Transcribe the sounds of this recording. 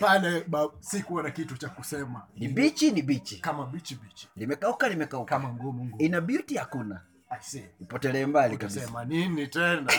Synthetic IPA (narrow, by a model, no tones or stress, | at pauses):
palɛɓasikuanakitut͡ʃakusɛmanibit͡ʃinibit͡ʃikamabit͡ʃibit͡ʃi̥limɛkaukalimɛkaukamaŋɡɔmŋɡinabiutihakuna | snipɔtɛlɛːmbalikamsiɛmaninitɛna